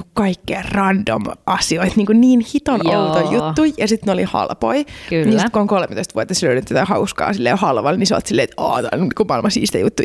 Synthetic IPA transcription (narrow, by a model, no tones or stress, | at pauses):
kɑikːeːrɑndo̰mʔɑsioit̪niːŋkunniːnhit̪onout̪ojjut̪ːujjɑsit̪nolihɑ̰lpo̰inisit̪kuoŋkolmet̪oist̪ʋuɑt̪ːɑsløynyt̪ːot̪ɑhɑuskɑ̰ːsilːḛːhɑlʋɑlniseo̰lt̪silːeːt̪ɑ̰ːt̪ɑ̰kumɑilmɑsḭːsi̥t̪æ̰jut̪ːuj